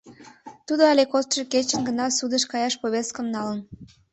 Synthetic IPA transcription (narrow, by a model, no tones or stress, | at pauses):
t̪ud̪oɑlʲekost̪ʃeket͡ɕənɡənɑsud̪əʃkɑjɑʃpoβʲes̚kəmnɑlən